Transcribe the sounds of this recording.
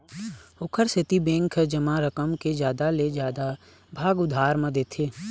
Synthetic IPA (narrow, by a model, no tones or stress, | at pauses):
ʊkʰəɾsɪt̪ibẽːŋkʰəd͡ʒəmaɾəkəmked͡ʒjaːd̪aled͡ʒjaːd̪a | bʱaːɡʊd̪ʱaːɾmãd̪eːt̪ʰeː